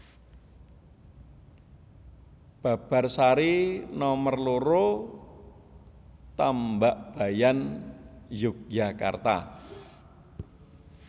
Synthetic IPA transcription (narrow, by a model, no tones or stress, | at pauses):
b̥a̤b̥a̤rsaɾinɔmərluɾo | t̪ambaʔb̥a̤jan | jʊk̚d͡ʒaka̰rt̪a̰